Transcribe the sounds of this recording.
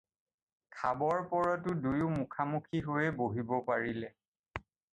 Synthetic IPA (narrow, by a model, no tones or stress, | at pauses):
kʰabɔɹpɔɹɔtʊdujʊmukʰamukʰiɦojɛboɦibɔpaɹilɛ